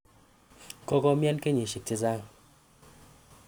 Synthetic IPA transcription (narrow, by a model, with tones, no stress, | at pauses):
kɔ˦kɔ˦mja˦nke˦ɲi˨ʃi˨k̚ti˦za˦ŋ